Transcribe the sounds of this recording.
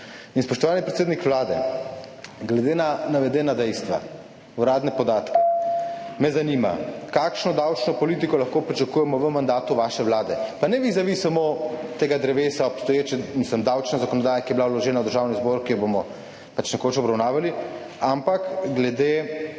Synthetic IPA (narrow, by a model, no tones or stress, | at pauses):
inspɔʃt̪ɔʋaːnipɾɛt̪seːd̪nikʋlaːd̪ɛ̰ | ɡlɛd̪eːnanaʋɛd̪ɛːnad̪ɛjst̪ʋa̰ | uɾaːd̪nɛpɔd̪aːt̪kɛ̥ | mɛzanima̰kakʃnɔd̪awt͡ʃnɔpɔliːt̪ikɔlɐxkoːpɾit͡ʃakujɛmɔʋəmand̪aːt̪uʋaʃɛʋlaːd̪ɛpanɛʋiɣzaʋisamot̪eːɡad̪ɾɛʋeːsaɔpst̪ɔjeːt͡ʃɛmisləmd̪awt͡ʃnazakɔnɔd̪aːjakijɛbilawlɔʒɛːnawd̪əɾʒaːwnizboɾkijɔbomɔ | pat͡ʃnɛkot͡ʃɔbɾawnaːʋali | ampakɡlɛd̪e